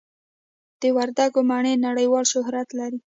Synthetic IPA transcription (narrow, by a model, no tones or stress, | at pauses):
d̪̥əwaɾd̪aɡomɑɳenaɽəjwɑlʃʊɦɾat̪laɾi